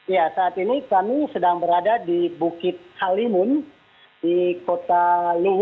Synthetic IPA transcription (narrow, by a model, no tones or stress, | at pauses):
ijasaːt̪inikamisədaŋbəɾadadibukɪt̪̚halimʊn | dikot̪aluɦ